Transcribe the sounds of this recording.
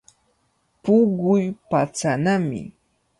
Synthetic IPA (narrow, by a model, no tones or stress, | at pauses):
pʊɢʊjpat͡sanamɪ̰